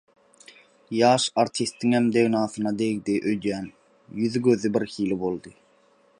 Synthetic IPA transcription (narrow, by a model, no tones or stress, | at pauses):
jɑːʃɑɾt̪ʰist̪ːiŋhemd̪eɣnɑːθɯnɑd̪eɣd̪iʔøjd̪jæːn | jyðɡøðybiɾhiːlibo̞lˠd̪ɯ